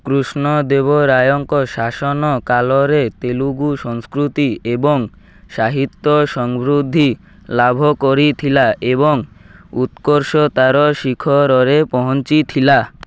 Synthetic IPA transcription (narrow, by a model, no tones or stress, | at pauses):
kɾusnod̪eβoɾajoŋkoʃaʃonokaloɾet̪eluɡuʃɔŋskɾut̪ieboŋ | ʃaɦit̪ːoʃɔŋbɾud̪ʱːi | labʱokoɾit̪ʰilaʔeβoŋ | ut̪koɾʃot̪aɾoʃikʰoɾɔɾepɔɦont͡ɕit̪ʰila